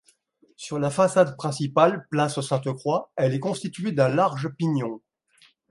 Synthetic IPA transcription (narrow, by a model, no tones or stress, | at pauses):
syʁlafasad̪pχɛ̃sipalplasosɛ̃t̪əkχwaɛlɛkɔ̃st̪it̪ɥed̪ɛ̃laʁʒəpiɲjɔ̃